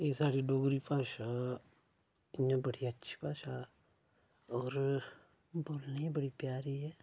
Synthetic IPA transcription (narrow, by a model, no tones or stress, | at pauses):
esaːɾidoːɡɾipaːʃa | ɪnãbɐɽiɐtːʃʰi̥paːʃa | ɔːɾ | boːlneibɐɽipjaːɾiɦɛː